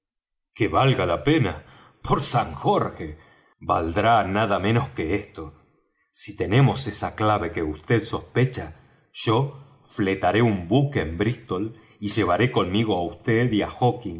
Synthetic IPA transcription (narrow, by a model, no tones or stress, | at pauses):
keβalɣalape̞na | pʰoɾsaŋxoɾxe̞ | βa̰ld̪ɾanaðamẽno̞ske̞est̪o | sit̪e̞ne̞mo̞sesaklaβe̞keust̪eðso̞spe̞t͡ʃa | ʒ̥o̞ | fle̞t̪aɾe̞umbukeːmbɾist̪o̞l | iʒe̞β̞aɾe̞ko̞nmiɣo̞aust̪eðiaxokiŋ